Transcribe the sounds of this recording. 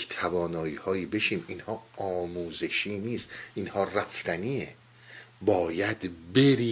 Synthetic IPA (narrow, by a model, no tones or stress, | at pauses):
t̪ʰævɒːnɒːjiːhɒːjiːbe̞ʃiːminhɒːɒːmuːze̞ʃiːniːst̪ʔinhɒːræft̪æniːe | bɒːjæd̪be̞ɾiː